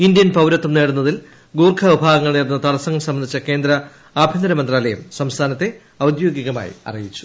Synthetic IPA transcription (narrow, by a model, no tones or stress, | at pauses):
ind̪jɐnpɐwɾɐt̪ːumneːɽunːɐðil | ɡuːrkʰɐʋibʱaːɡɐŋːɐɭniːrnːɐt̪ɐɽɐsɐŋːɐmsɐmːɐnd̪ʰʱit͡ɕːɐke̞ːnd̪ɾɐ | aːbʱjɐnd̪ɐɾɐmɐnd̪raːlɐjɐmsɐmst̪ʰaːnɐt̪ːe̞ | ɐwd̪jo̞ːɡiɣɐma̰ːjḭɐ̰rijit͡ɕːu̥